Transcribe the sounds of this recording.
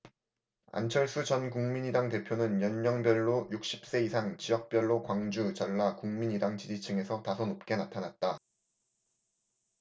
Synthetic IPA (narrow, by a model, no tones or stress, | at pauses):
a̰nt͡ɕʰʌɭs͈ʰɯt͡ɕʌnkuŋmiɲidaŋte̞pʰjonɯnjʌɲːʌŋbjʌɭːojuk̚ɕ͈i̥p̚s͈e̞isʰaŋt͡ɕijʌk̚p͈jʌɭːokwaŋd͡ʑut͡ɕʌɭːakuŋmiɲidaŋt͡ɕid͡ʑit͡ɕʰɯŋe̞sʰʌtasʰʌnop̚k͈e̞natʰanat̚t͈a